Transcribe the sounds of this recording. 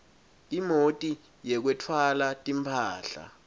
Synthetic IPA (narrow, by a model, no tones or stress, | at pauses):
imotʼi | jɛk̬wɛtʰwalatʼimpʰaːɬa̰